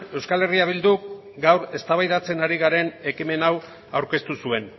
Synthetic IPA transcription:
e̞wskale̞riaβ̞ild̪u | ɡawɾe̞st̪aβajðat͡se̞naɾiɣ̞aɾe̞ne̞kime̞naw | awɾke̞st̪usue̞n

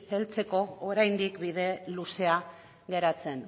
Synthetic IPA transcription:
elt͡se̞ko̞ːɾajnd̪ikbiðe̞luse̞a | ɣe̞ɾat͡se̞n

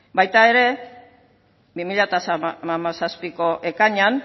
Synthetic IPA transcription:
bajt̪ae̞ɾe̞ | bimiʎat̪asaamasaspiko̞ʔe̞kaɲan

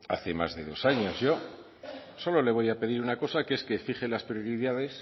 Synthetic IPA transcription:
a̰θe̞ma̰zðe̞ðo̞saɲo̞zʝo̞ | so̞lo̞le̞β̞o̞jape̞ðiɾunako̞sakee̞ske̞fiχelaspɾjoɾiðað̞e̞s

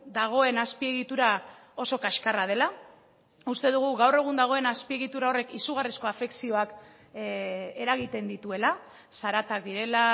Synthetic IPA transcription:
d̪aɣ̞o̞e̞naspie̞ɣ̞it̪uɾa | o̞so̞kaʃkarað̞e̞la | ust̪e̞ðuɣ̞uɣawre̞ɣ̞und̪aɣ̞o̞e̞naspie̞ɣit̪uɾao̞re̞kisuɣ̞arisko̞afe̞ksio̞ak | e̞ɾaɣ̞it̪e̞nd̪it̪ue̞la | saɾat̪ak̚d̪iɾe̞la

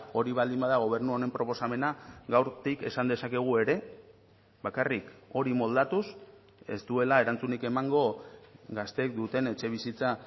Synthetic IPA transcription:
o̞ɾiβald̪imbaðaɣ̞o̞β̞e̞ɾnuaoɾe̞mpɾo̞po̞same̞naɣawɾt̪ike̞sand̪e̞sake̞ɣ̞ue̞ɾe̞ | βakariko̞ɾimo̞ld̪at̪us | e̞̰st̪ue̞lae̞ɾant͡sunike̞maŋɡo̞ɡast̪e̞k̚d̪ut̪e̞ne̞t͡ʃe̞β̞isit͡sa

